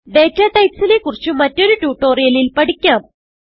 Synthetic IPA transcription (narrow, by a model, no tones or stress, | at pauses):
ɖ̪e̞ːtːɐt̪ɐjtsile̞kːurit͡ɕːumɐtːo̞ɾutuːʈːo̞ːrijɐlilpɐɽikʲːaːm